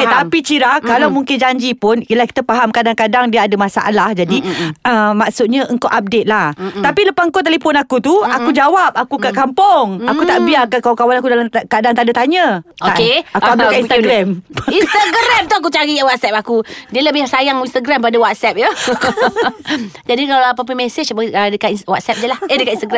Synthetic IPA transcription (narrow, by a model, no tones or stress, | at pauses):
at̪apit͡ʃiɾakalawmuŋkɪnd͡ʒaɲd͡ʒipʊnilahki̥t̪apaɦamkadaŋkadaŋdiəadamasa̰ʔa̰lahd͡ʒadiəmaksut̪̚ɲãʔəŋkaʔap̚det̪̚laht̪apiləpasəŋkot̪alifɔnakut̪uakud͡ʒawap̚akukaʔkampɔŋakut̪aʔbiakakawakawanakudalakadaŋt̪adat̪aɲə̃oaʔkeakuabllakaʔinst̪aɡɾɛminst̪aɡɾɛmt̪uak̬ut͡ʃaɾiwat̪̚sɛp̚akudiələbɪhsajaŋinst̪aɡɾampadawat̪̚sɛp̚jə | d͡ʒadikalaap̬ap̬ənmɛsət͡ʃəədəkawat̪̚sɛp̚diəlahədəkat̪inst̪aɡɾɛ